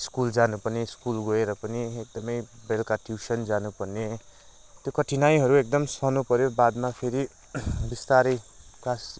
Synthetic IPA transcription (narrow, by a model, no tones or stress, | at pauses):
skuld͡zanupʌrneskulɡʌeɾʌpʌniek̚d̪ʌmʌjbelkaʈʰjusʌnd͡zanupʌrne | t̪jokʌʈʰinajɦʌɾuek̚d̪ʌmsʌnupʌɾjobad̪mapʰeɾi | bist̪aɾʌjklas